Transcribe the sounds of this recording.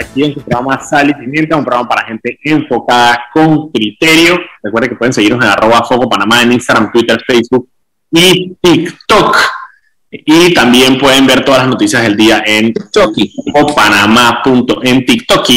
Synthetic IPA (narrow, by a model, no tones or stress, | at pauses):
akieŋsupɾoɣamasalisimjent̪eũmpɾoamapaɾaxe̞nt̪e̞ʔeɱfo̞kaðako̞ŋkɾit̪e̞ɾjo̞rekweɾðekepwee̞ŋs̬eɣiɾnose̞narʔo̞βafo̞kopanamaeninst̪aɣɾamt̪wit̪eɾfejsbuk̚ | it̪ikt̪ok | it̪ambje̞mpwe̞ðe̞mbe̞ɾt̪oðalasno̞t̪isjazðeld̪iaʔen | kopanamapunt̪oʔent̪ikt̪oki